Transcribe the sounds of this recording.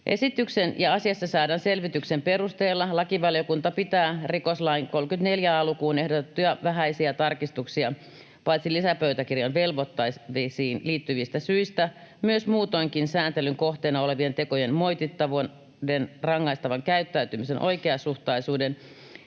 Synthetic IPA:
ʔesit̪yksenjɑɑsiɑsːɑsɑːdɑnselʋit̪yksemperust̪eːlːɑlɑkiʋɑljokunt̪ɑpit̪æːrikoslɑiŋkolkyt̪neljæɑlukuːnehdot̪et̪ːujɑʋæɦæisiæt̪ɑrkist̪uksiɑ | pɑit̪silisæpøyt̪ækirjɑnʋelʋot̪ːɑiisiːnliːt̪ːyʋist̪æsyist̪æmyøsmuːt̪oiŋkinsæːnt̪elyŋkoht̪eːnɑoleʋient̪ekojenmoit̪it̪ːɑʋon | denrɑŋːɑist̪ɑʋɑŋkæyt̪ːæyt̪ymisenʔo̰ikeɑsuht̪ɑisuːden

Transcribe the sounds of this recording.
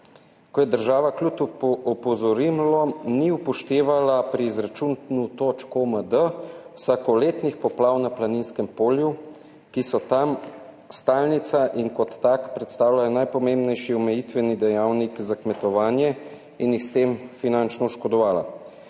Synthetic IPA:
kɔjɛd̪əɾʒaːʋaklut̪ɔpɔzɔɾimlɔniupɔʃt̪eːʋalapɾiːzɾat͡ʃunnut̪oːt͡ʃkoməd̪əwsaːkɔleːt̪nixpɔplaːwnaplaninskɛmpoːlju | kisɔt̪am | st̪aːlnit̪saʔiŋkɔt̪ːakpɾɛt̪st̪aːwlajɔnajpɔmembnɛjʃiɔmɛjit̪ʋɛnid̪ɛjaːwnikzakmɛt̪ɔʋaːnjɛ | injixst̪emfinant͡ʃnɔuʃkɔd̪ɔʋaːla̰

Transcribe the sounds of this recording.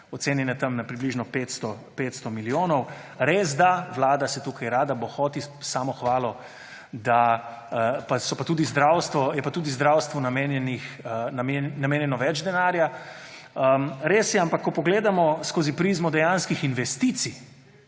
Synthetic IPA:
ɔt̪seːnjɛnɛt̪ɐmnapɾibliʒnɔpet̪st̪ɔ | pet̪st̪ɔmilijoːnɔw | ɾeːzd̪aʋlaːd̪asɛt̪ukajɾaːd̪abɔxɔːt̪isaːmɔxʋaːlɔ | d̪aəpasɔpat̪uːd̪izd̪ɾawst̪ʋɔjɛpat̪uːd̪izd̪ɾawst̪ʋɔnamenjɛnixnamenameːnjɛnɔʋɛd͡ʒd̪ɛnaːɾja | əɾeːsjɛampakːɔpɔɡleːd̪amɔskoːzipɾizmɔd̪ɛjanskixinʋɛst̪it̪si

